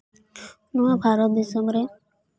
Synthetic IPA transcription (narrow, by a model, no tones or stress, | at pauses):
nuebʱaɾɔt̪̚d̪isɔmɾe